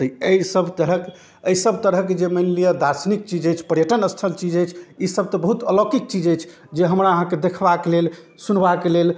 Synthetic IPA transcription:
t̪əiəisəbʱt̪əɾək | əisəbt̪əɾəɦked͡ʒemənlijəd̪asnik̚t͡ʃid͡ʒəjt͡ʃʰpəɾjəʈənəst̪ʰəlt͡ʃid͡ʒəjt͡ʃʰisəb̚t̪əbəɦut̪əlokik̚t͡ʃid͡ʒəjt͡ʃʰ | d͡ʒeɦəmɾaəɦãked̪ekʰbakelel | sunbakelel

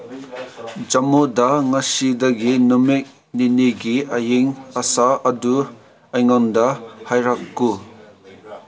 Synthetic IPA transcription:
d͡ʒɐmudaŋɐsidɐɡinumik̚ | niniɡiɐjiŋɐsaɐdu | ajŋɔndɐhajɾakːu

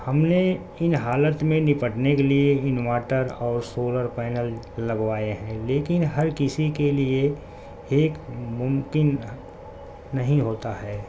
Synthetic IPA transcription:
hɐmne | ɪnɦaːlət̪mẽnɪpəʈnekelieɪnwaːʈəɾɔːɾsoːləɾpɛːnəlː | ɐɡʋaːeɦɛ̃leːkɪnɦɐɾkɪsikelie | eːkmʊmkɪn | ɐɦĩɦoːt̪aɦɛː

